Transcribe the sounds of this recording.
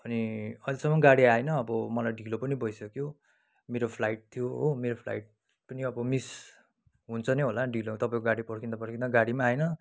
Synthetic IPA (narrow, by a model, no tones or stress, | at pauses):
ʌniʌjlisʌmːʌɡaɽiaenʌːbʌmʌlajɖʱilopʌnibʌjsʌkjo | meɾopʰlaiʈ̚t̪ʰijoɦomeɾopʰla̰iʈ̚ | pʌniʌbʌmis | ɦunt͡sʰʌneɦolaɖʱilot̪ʌpãĩkoɡaɽipʌɽkʰind̪ʌpʌɽkʰind̪ʌɡaɽimaajnʌ